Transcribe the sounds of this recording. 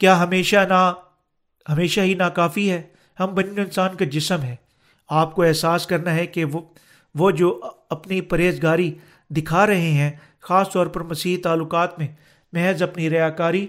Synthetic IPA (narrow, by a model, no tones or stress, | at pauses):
kjaːɦɐmeːʃana | ɦɐmeːʃaɦinaːkaːfiɦɛː | hɐmbɐnjõɪnsaːnkad͡ʒɪsəmɦɛː | aːp̚koɛɦsaːskɐɾnaɦɛke | ʋod͡ʒoːɐpnipɐɾeːzɡaːɾi | d̪ɪkʰaɾɐɦeɦɛ̃ | xaːst̪ɔːɾpɐɾmɐsiːɦit̪aːlːʊkaːt̪mẽ | mɛɦəzɐpniɾɐjaːkaːɾi